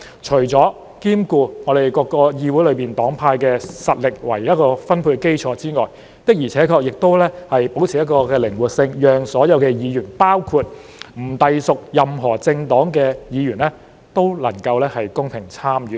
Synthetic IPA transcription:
t͡ʃʰɵ˨˩ɥt͡sɔː˨˥ | kiː˥mkuː˧ŋɔː˨˧d̪e˨jkɔː˧kːɔː˧jiː˧wu˨˥jlɵ˨˧ɥpiː˨nt̪ɔː˨˥ŋpʰaː˧jkɛː˧sɐ˨t̚lɪ˨k̚wɐ̰˨˩jjɐ˥kɔː˧fɐ˥npʰuː˧ke˥jt͡ʃʰɔː˨˧t͡siː˥ŋɔː˨˩j | t̪ɪ˥k̚jiː˨˩t͡sʰɛː˨˥kʰɔː˧k̚jɪ˨k̚t̪o˥wlɛː˥hɐ˨jpo˨˥wt͡sʰiː˨jɐ˥t̚kɔː˧kɛː˧lɪ˨˩ŋwu˨t̚sɪ˧ŋjœː˨˩ŋsɔː˨˥jɐ˨˧wkɛː˧jiː˨˧jyː˨˩npaː˥wkʰuː˧t̚m̩˨˩t̪ɐ˨jsʊ˨k̚jɐ˨mɦɔː˨˩t͡sɪ˧ŋt̪ɔː˨˥ŋkɛː˧jiː˨˧jyː˨˩nlɛː˥ | t̪o˥wlɐ˨˩ŋkɐ˧wlɛː˥hɐ˨jkʊ˥ŋpʰɪ˨˩ŋt͡sʰaː˥mjyː˨˥

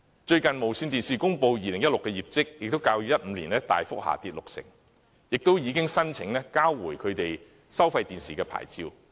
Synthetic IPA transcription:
t͡ʃɵ˧ɥkɐ˨˩nmo˨˩wsyː˧nt̪iː˨nsiː˨kʊ˥ŋpo˧wjiː˨˧lɪ˨˩ŋjɐ˥tlʊ˨kːɛː˧jiː˨p̚t͡sɪ˥k̚jɪ˨k̚t̪wkaː˧wjy˨˥jɐ˥t̚m̩˨˧liː˨˩nlɛː˥t̪a̰ː˨jfʊ˥k̚ha̰ː˨t̪iː˧t̚lʊ˨k̚sɪ̰˨˩ŋ | jɪ˨k̚t̪o˥wjiː˨˧kɪ˥ŋsɐ˥nt͡sʰɪ˨˥ŋlɛː˥kaː˥wːuː˨˩jkʰɵ˨˧ɥt̪e˨j | sɐ˥wfɐ˧jt̪iː˨nsiː˨kɛː˧pʰa̰ː˨˩jt͡siː˧w

